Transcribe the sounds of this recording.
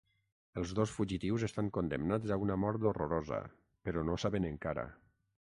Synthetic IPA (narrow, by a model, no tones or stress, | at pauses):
əlˠzðosfuʒit̪iwzəst̪aŋkond̪ə̰mnad͡zaunəmɔɾt̪oroɾozə̰ | pəɾɔnosaβənəŋkaɾə̰